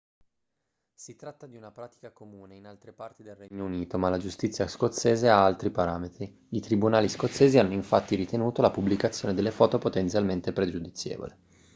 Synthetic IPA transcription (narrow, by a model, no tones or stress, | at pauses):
sit̪ɾat̪ːad̪iunapɾaːt̪i̥kakomuːneinalt̪ɾepart̪id̪elrɛɲːouniːt̪omalad͡ʒust̪it̪sːjaskot̪sːeːzeaalt̪ɾipaɾaːmet̪ɾi | it̪ɾibunaːliskot̪sːeːzianːoiɱfat̪ːiɾit̪enuːt̪olapublikat̪sːjoːned̪elːefɔːt̪opot̪ent̪sjalment̪epɾed͡ʒud̪it̪sːjḛːvo̰li